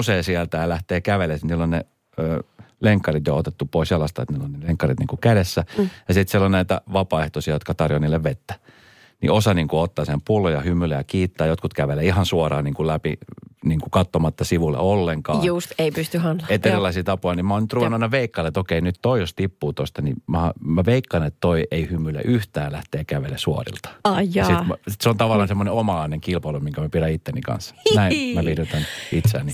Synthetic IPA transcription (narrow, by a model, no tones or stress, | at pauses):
useːsiælt̪æjɑlæht̪eːkæʋelesnilːonne | øː | leŋkːɑrit̪jo̰ot̪et̪ːupoisjɑlɑst̪ɑ̰ḛt̪niːlːonneleŋkːɑrit̪niːŋkukædesːæjɑsit̪sielːonnæit̪æ̰ʋɑpɑeht̪osiɑjot̪kɑt̪ɑrjoniːlːeʋʋet̪ːæ̥ | nḭosɑniːŋkuot̪ːɑːsempulːojɑhymːylːejɑkiːt̪ːæːjot̪kut̪kæʋeleihɑnsuorɑ̰ːniːŋkulæpḭniːŋkukɑt̪ːomɑt̪ːɑsiʋulḛolːeŋkɑ̰ːjust̪eipyst̪yhɑnlɑet̪eɾilɑisiːt̪ɑpojnimæoːnyt̪ruʋenːuɑnːɑʋeikːɑlet̪okeinyt̪t̪oijost̪ipːuːt̪ost̪ɑnimæhɑmæʋeikːɑnet̪t̪oiʔeihymːylḛʔyht̪æːlæht̪eːkæʋelesuo̰rḭlt̪ɑ̥ɑjɑsit̪seont̪ɑʋɑlːˑɑnsemːoneomɑlɑineŋkilpɑlumiŋkæmæpiɾæit̪ːenːikɑ̰nsnæimæʋirut̪ænit̪seæ̰nːi